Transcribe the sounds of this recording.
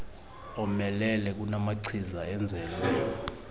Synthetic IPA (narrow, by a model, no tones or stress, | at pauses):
ɔmɛlɛlɛk̬unamaǀʰizaɛnd͡zʱɛːlɔ